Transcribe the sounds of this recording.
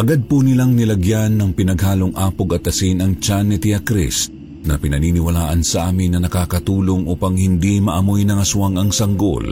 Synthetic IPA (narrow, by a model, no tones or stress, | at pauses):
ʔɐɡad̪̚punɪlaŋnɪlɐɡjanːɐŋpɪnɐɡɦaːloŋʔaːpoɡɐt̪ɐsinɐŋt͡ʃanːɪt̪ɪakɾḭst̪̚ | nɐpɪnɐniːnɪwɐlaːʔɐnsɐʔaːmɪnːɐnɐkaːkɐt̪uːloŋʔuːpɐŋhɪnd̪imɐʔɐmojnɐŋɐsʊaŋɐŋsɐŋɡo̰l